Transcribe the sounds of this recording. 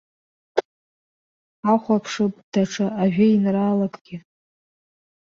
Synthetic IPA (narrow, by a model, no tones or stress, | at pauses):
aχʷapʰʂɨpʼd̥aʈ͡ʂʰaaʒᶣɪinraːlakʼɡ̥ʲɪ